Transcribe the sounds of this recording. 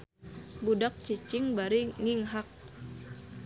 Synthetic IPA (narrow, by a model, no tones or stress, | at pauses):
budak̚t͡ʃit͡ʃɪŋbaɾiŋiŋɦak̚